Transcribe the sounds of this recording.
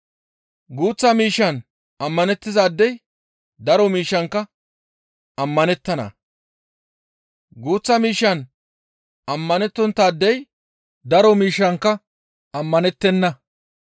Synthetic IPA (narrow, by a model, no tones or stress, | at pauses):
ɡuːt͡sːɐmiːʃːɐn | ɐmːɐnɛt̪ːɪzaːd̪ːɛj | d̪ɐɾɔmiːʃːɐŋkːɐ | ɐmːɐnɛt̪ːɐnɐ̰ | ɡuːt͡sːɐmiːʃːɐn | ɐmːɐnɛt̪ːɔnt̪ːaːd̪ːɛj | d̪ɐɾɔmiːʃːɐŋkːɐ | ɐmːɐnɛt̪ːɛnːɐ